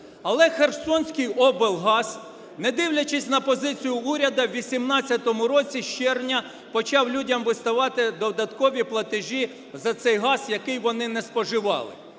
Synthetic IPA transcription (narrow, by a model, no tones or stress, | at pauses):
ɐlˠɛxersɔnʲsʲkɪjɔbɪlˠɦɑs | nɛd̪ɪwlʲɐt͡ʃɪsʲnɐpɔzɪt͡sʲijʊuɾʲɐd̪ɐwʋʲisʲimnɑt͡sʲːɐt̪ɔmʊɾɔt͡sʲiʃt͡ʃɛrnʲɐ | pɔt͡ʃɑwlʲudʲɐmʋɪst̪ɐʋɑt̪ɪd̪ɔd̪ɐt̪kɔʋʲiplˠɐt̪ɪʒʲi | zɐt̪sɛjɦɑsjɐkɪjʋɔnɪnɛspɔʒɪʋɑ̰lˠɪ̰